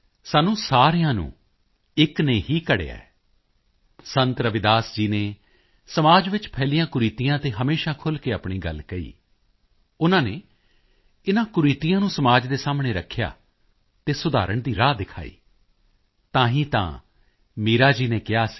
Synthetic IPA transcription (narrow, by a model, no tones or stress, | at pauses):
saːnũːsaːɾɪjãːnṵ̃ː | ɪkneːɦiːkəɽḛːa̰ɛ | sənt̪ɾəʋɪd̪aːsd͡ʒiːneː | səmaːd͡ʒʋɪt͡ʃpʰɛːlijãːkʊɾiːt̪ijãːt̪eːɦəmeːʃaːkʰʊlkeːaːpɳiːɡə̰lkəḭː | ʊnãːneː | ɪnãːkʊɾiːt̪ɪjãːnũːsəmaːd͡ʒd̪eːsaːmɳeːɾəkʰːja̰ː | t̪eːsʊd̪a̰ːɾəɳd̪iːɾaːd̪ɪkʰa̰ːḭː | t̪ãːɦĩːt̪ã̰ː | miːɾaːd͡ʒiːneːkɪjaːs